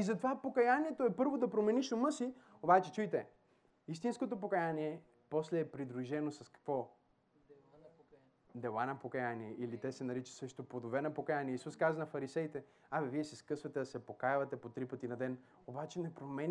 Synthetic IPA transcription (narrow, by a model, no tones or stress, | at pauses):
izɐt̪ovapokɐjaniɛt̪oɛpɤɾvod̪ɐpɾomɛniʃomɤsi | obat͡ʃɛt͡ʃujt̪ɛ | ist̪inskot̪op̬okɐjaniɛ | pɔslɛːpɾid̪ɾuʒɛnosɐskɐ̥kvɔ | d̪ɛlˠanɐpokɐjaniɛʔilit̪ɛsɛnɐɾit͡ʃə̥sɤʃt̪opod̪ovɛnɐpokɐjaniɛisuskazɐnɐfɐɾisɛit̪ɛ | aviviɛsɛskɤsvɐt̪ɛd̪ɐsɛpokajvɐt̪ɛpot̪ɾipət̪inɐd̪ɛn | obat͡ʃɛnɛpɾomɛn